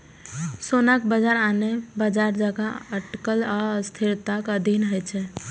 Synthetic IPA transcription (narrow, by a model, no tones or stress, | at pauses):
sonakbəd͡ʒaɾanebəd͡ʒaɾd͡ʒaɡaəʈkəlast̪ʰiɾt̪akəd̪ʱinɦəjt͡ʃʰɛ